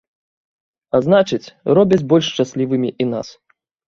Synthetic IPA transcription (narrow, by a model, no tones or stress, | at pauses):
aznat͡ʂɨt͡sʲrɔbʲɐt͡sʲbɔlʲʂt͡ʂasʲlʲivɨmʲiʔina̰s